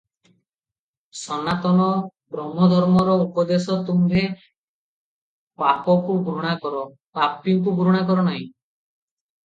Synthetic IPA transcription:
sɔnat̪ɔnɔbɾɔmɔd̪ʱɔɾmɔɾɔupɔd̪esɔt̪umbʱe | papɔkubʱɾuɽ̃akɔɾɔ | papːiŋkubɾuɽ̃ak̬ɔɾɔnaɦĩ

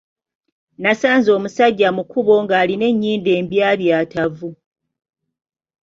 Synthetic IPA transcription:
nasaːnzo̞ːmusaɟːamukuβo̞ŋɡaːline̞ɲːiːnde̞ːmbjaːβjaːtavu

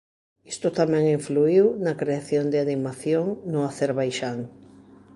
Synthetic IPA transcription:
ist̪ʊt̪amɛ̃ŋiɱfluiwnakɾeaθjond̪ɪanimaθjoŋnoaθeɾβajʃaŋ

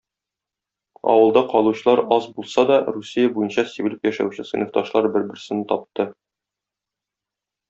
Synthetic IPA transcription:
ɒ̰wɤ̆lˠd̪ɑqɒlˠuɕɤ̆lˠɑɾɒzbulˠsɑd̪ɒrusʲijabujɤ̆nɕɑsibɘlɘpjæʃæ̰wɕɘsɡnʲift̪ɑʃlˠɑɾbɘɾbɘ̆ɾsɘ̆nɘt̪ɒp̚t̪ɤ

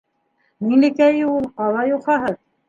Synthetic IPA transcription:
minlikæjɘulˠqɑlˠɑjuqhɑɦɤð

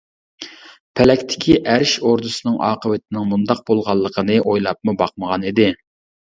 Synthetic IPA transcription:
pʰɛlɛkʲt̪ʰɪ̥kʲʰiʔæɾʃoɾd̪usɨnɨŋʔɑ̰ːqəwɪt̪ʰɪnɪŋmund̪ɑq̚b̥olˠʁɑlˠːəqʰənɨʔojlˠɑp̚mubɑqməʁɑnid̪ɪ

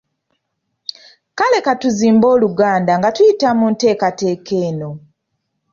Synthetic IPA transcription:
kale̞katuziːmbo̞ːluɡaːndaŋɡatujitamunte̞ːkate̞ːke̞ːno̞

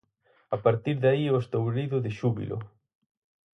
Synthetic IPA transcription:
apaɾt̪iɾðaioest̪owɾiðʊðɪʃuβḭlʔʊ̰

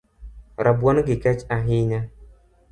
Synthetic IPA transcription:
ɾabwɔnɡɪkɛt͡ʃaɦiɲa

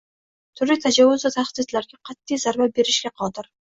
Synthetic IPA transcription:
t̪ʰʊɾlɪt̪ʰæd͡ʒɑwːʊzvɛt̪ʰæχd̪it̪læɾɡʲɛqʰɑt̪ːijzaɾvabeɾɪʃkʲɛqʰɑlˠd̪ɪɾ

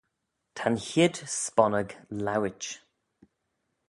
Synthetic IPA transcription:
t̪ʰançɪdspɔnəɡlawɪt͡ʃ

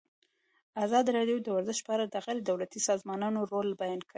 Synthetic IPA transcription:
azɑd̪iɾɑɖijod̪əwaɾzəʃpaɑɾad̪əaɣaled̪awlat̪isɑzmɑnɑnoɾolbajɑnkəɽ

